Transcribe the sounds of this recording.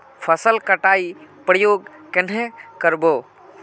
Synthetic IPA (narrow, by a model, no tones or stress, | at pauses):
pʰəsəlkəʈaipɾəjoːɡkenɦẽkəɾboː